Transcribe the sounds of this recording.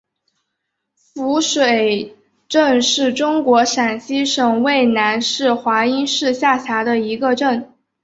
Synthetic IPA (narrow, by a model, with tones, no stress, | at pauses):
fu˧˥ʂwe˨˩ɪ | ʈ͡ʂə˥˧nʂɻ̩˥˩ʈ͡ʂʊ˥ŋkwɔ˧˥ʂa˨˩nɕi˥ʂɤ˨˩ŋwe˥˩ɪna˧˥nʂɻ̩˥˩xwa˧˥i˥nʂɻ̩˥˧ɕja˥˩ɕʰja˧˥d̪ə˧i˧˥ɡə˧ʈ͡ʂə˥˩n